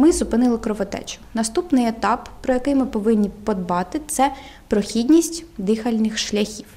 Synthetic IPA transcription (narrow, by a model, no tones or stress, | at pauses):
mɪzʊpɪnɪlˠɪkɾɔʋɔt̪ɛ̰t͡ʃʊ̥nɐst̪upnɪjet̪ɑpːɾɔjɐkɪjmɪpɔʋɪnʲːipɔd̪bɑt̪ɪt̪sɛ | pɾɔxʲidʲnʲisʲtʲd̪ɪxɐlʲnɪxʃlʲɐxʲiw